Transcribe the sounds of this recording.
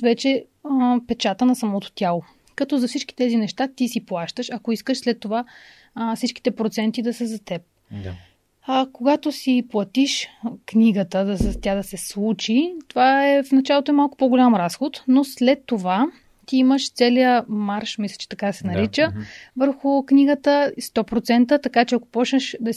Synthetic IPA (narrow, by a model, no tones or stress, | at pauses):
vɛt͡ʃɛ | pɛt͡ʃat̪ənɐsɐmɔt̪o̥t̪ʲjalˠo | kɐt̪ɔzɐfsit͡ʃk̟i̥t̪ɛzinɛʃt̪at̪isiplˠaʃt̪əʃɐkoiskəʃslɛt̪ːova | fsit͡ʃk̟i̥t̪ɛpɾot̪sɛnt̪id̪ɐsɛzɐt̪ɛp̚ | koɡat̪osiplˠɐt̪iʃkniɡət̪əd̪ɐst̪ʲad̪ɐsɛslˠut͡ʃit̪ovaɛfnɐt͡ʃalˠot̪oɛmalˠkʊ̥poɡolʲamɾasxot̪noslɛt̪ːova | t̪iiməʃt̪sɛlijəmaɾʃmislʲɛ̥t͡ʃɛ̥t̪ɐkad̪ɐsɛnɐɾit͡ʃəvəɾxʊkniɡət̪əst̪ɔpɾot̪sɛnt̪ət̪ɐkat͡ʃɛɐko̥pɔt͡ʃnəʃd̪ɐ